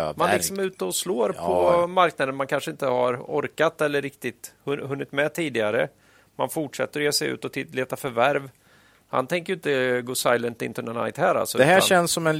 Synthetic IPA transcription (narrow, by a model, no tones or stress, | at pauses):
manlɪksɔmʉ̟ːt̪əɔsloːɾpʰɔmaɾknad̪ənmankʰanʂəɪnt̪əha̰ɾɔɾkat̪ɛlːəɾɪk̚t̪ɪt̪hɵhɵnːɪt̪mɛt̪ʰiːd̪ɪɡaɾə | manfʊʈʂɛt̪ːəɾɔjeːsɛjʉ̟̰ːt̪ɔt̪ʰɪleːt̪afœɾvæɾv | ha̰nt̪ʰɛŋkəjʏnt̪əɡoːsajlənt̪ɪ̰nt̪ʰɵnəna̰jt̪hæːɾa̰lsɔʉd̪ɛhæːɛnsːɔmɛn